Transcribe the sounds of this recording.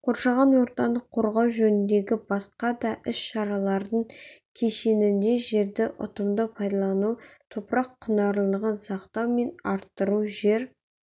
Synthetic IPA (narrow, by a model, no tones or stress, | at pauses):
qʰo̞ɾʃɑʁɑnwo̞ɾt̪ɑlˠəqʰːoɾʁɑwʒɵnɪnd̪e̞ɡʲɪbɑsqɑd̪ɑʔɪsʃɑɾɑlˠɑɾd̪əɴkʲʰe̞ʃe̞nɪnd̪e̞ʒe̞ɾd̪ɪʔʊ̰t̪əmd̪əpʰɑjd̪ɑlˠɑnuwt̪ʰopɾɑqʰːʊnɑɾlˠəʁənsɑqt̪ɑwme̞nɑɾt̪ːəɾuwʒe̞ɾ